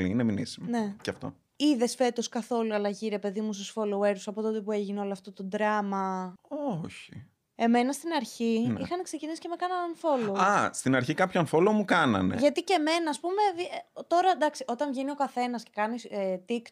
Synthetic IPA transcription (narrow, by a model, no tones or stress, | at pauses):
lḭineminḭsimone̞ceɐft̪o̰ | iðe̞sfe̞t̪o̞skɐθo̞luɐlɐʝiɾe̞pe̞ðimust̪usfoloeɾsɐpo̞t̪o̞t̪e̞pue̞ʝineo̞loɐft̪o̞t̪o̞d̪ɾɐmɐoçi | e̞me̞nɐst̪inɐɾçiixɐnekse̞cinisi̥cemekɐnɐnɐnfo̞loɐst̪inɐɾçikɐpçonfolomukɐnɐ̰nḛʝɐt̪ice̞me̞nɐːspume̞vt̪o̞ɾɐd̪ɐksiʔo̞t̪ɐɱʝinio̞kɐθe̞nɐscekɐniset̪ikt̪